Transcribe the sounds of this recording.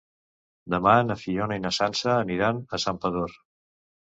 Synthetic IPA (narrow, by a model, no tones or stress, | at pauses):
d̪əmanəfiɔnəinəsansəːniɾanəsampəðor